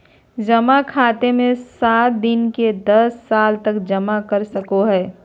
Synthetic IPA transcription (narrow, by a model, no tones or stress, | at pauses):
d͡ʒəmakʰaːt̪emẽsaːt̪̚d̪ɪnked̪ɐsːaːlt̪ɐkd͡ʒɐmakəɾsəkoɦɛː